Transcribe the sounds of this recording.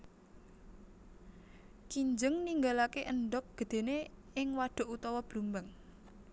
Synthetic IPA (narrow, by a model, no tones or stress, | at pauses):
t͡ʃiɲd͡ʒəŋniŋɡalakeʔənɖɔk̚ɡ̥ə̤d̪̥e̤ne | ɪŋwaɖ̥ɔ̤ʔut̪ɔwɔb̥lumbaŋ